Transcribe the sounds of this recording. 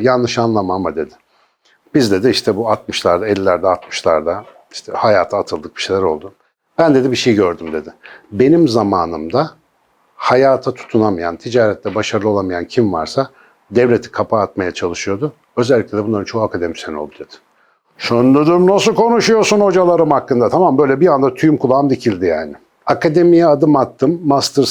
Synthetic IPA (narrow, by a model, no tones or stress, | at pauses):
janːɯʃanlˠamamad̪e̞d̪ɪ̥ | b̥izd̪ed̪ɛiʃt̪ʰɛbuat̪mɯʃlˠaɾd̪aɛlʲːæɾd̪ɛat̪mɯ̥ʃlˠaɾd̪a | i̥ʃt̪ʰɛhajaːt̪ʰaːt̪ʰɯlˠd̪ɯk̚biʃejlʲæɾo̞lˠd̪u | b̥ænd̪ed̪ibiʃejɟøɾd̪ymd̪e̞d̪ɪbe̞nimzamaːnɯmd̪a | hajaːt̪ʰat̪ʰu̥t̪ʰunamɯjant̪ʰid͡ʒaːɾɛt̪lʲɛbaʃaɾɯlˠolˠamɯjancʰimva̰ɾsa | d̪ɛvlʲe̞t̪ʰi̥kʰapʰaːt̪majat͡ʃʰalˠɯʃɯjo̞d̪ʊ | ø̞zɛlʲːic̚lʲɛd̪ɛbunˠaɾɯnt͡ʃʰo̞hakʰad̪emisɛnolˠd̪ud̪e̞d̪̥ɪ̥ | ʃønd̪ød̪ymnasɯkʰo̞nuʃujo̞ɾsunho̞d͡ʒalˠaɾɯmhakːɯnd̪at̪ʰamambø̞jlʲɛbijand̪at̪ʰyjumkʰulˠaːmd̪icʰilʲd̪ijaːnɪ | akad̪e̞mijɛad̪ɯmat̪ːɯmːast̪ɯɾ